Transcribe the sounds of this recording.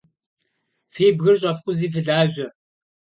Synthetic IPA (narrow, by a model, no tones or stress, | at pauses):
feːbɣɨrɕʼɐfχʷʼʊziːf̬ɨɮaːʒʷɐ